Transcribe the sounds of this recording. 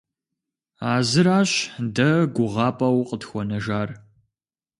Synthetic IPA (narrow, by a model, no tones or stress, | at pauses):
aːzɨɾaːɕdɐɡʷʊʁɑːpʼɐwqətxʷɔnɐʒaːr